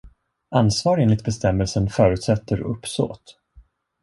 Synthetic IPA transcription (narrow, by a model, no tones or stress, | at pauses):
ansvɑːɾeːnlɪkt̪̚bɛst̪ɛmːɛlsənfœːɾʉ̟ːt̪sɛt̪ʰːəɾɵ̰pːso̰ːt̪